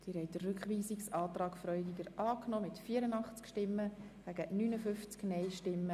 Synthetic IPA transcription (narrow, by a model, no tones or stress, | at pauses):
d̥iːɾhɛɪtdərːʏkχʋiːsiksɑːt̪rɑːkfɾœʏdɪɡəɾʔɑːknɔːmɪtfiːəɾənɑχt͡skʃtɪmːəɡ̥æɡ̥ənyːnəfʏft͡sknɛɪʃtɪmːə